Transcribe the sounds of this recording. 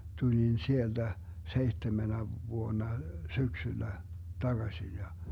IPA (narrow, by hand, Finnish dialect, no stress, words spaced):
tulin sield̥æ seihtemenæ ʋuonːɑ syksylːæ tɑɡ̊ɑsʲin jɑ